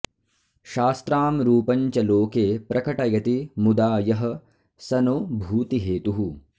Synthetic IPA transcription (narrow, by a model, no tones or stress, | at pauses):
ʃaːst̪ɾaːmɾuːpɐɲt͡ʃɐloːkeːpɾʔɐkɐʈɐɡɐt̪imud̪aːjɐɦɐ̆ | sɐnoːbʱuːt̪iɦeːt̪uɦu